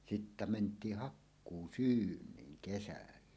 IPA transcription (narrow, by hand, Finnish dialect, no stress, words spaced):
sitːæ mentˑiːh hɑkːuːsyːnˑiːŋ kesælːæ